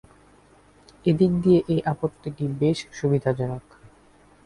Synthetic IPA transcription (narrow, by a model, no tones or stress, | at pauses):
ed̪ik̚d̪ijeʔejʔapot̪ːiʈibeʃʃubid̪ʱad͡ʑɔnok